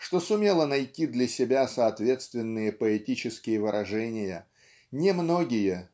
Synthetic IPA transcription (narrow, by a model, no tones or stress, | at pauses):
ʂt̪o̞sʊmʲe̞lˠənɐjtʲid̪lʲɐsʲɪbʲasəɐt̪vʲe̞t̪st̪vʲɪnːɨjəpəɛtʲit͡ɕɪskʲɪjəvɨɾʔɐʐɛnʲɪjə | nʲɪmno̞ɡʲɪjə